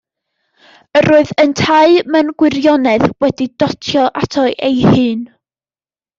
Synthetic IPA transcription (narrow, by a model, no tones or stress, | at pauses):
əɾoːɨðəntʰaɨmənɡwɪrjɔnɛðwɛdidɔtʰjɔʔatʰɔɨʔejhɨːn